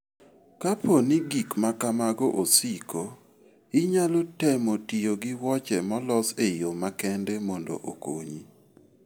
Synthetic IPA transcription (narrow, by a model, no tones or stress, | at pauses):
kaponiɡikmakamaɡɔʔosikʰo | ɪɲalotɛmotijoɡɪwɔt͡ʃɛmɔlɔsejomakɛndɛmɔndo̰ʔo̰ko̰ɲi